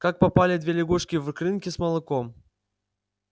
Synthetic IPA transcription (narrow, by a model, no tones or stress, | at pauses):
kak̚pɐpalʲɪd̪vʲelʲɪɡuʂkʲɪvkɾʲɨnkʲɪsmɐlˠɨkom